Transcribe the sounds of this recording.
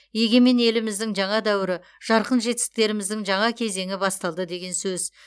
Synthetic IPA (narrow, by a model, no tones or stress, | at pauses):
je̞ɡʲe̞mene̞lɪmɪzd̪ɪŋʒɑɴɑd̪æwɪɾɪ | ʒ̥ɑɾqənʒe̞t̪ɪ̥sɪk̚t̪e̞ɾɪmɪzd̪ɪŋʒɑɴɑkʲʰe̞ze̞ŋɪbɑst̪ɑlˠd̪əd̪e̞ɡʲe̞nsɵz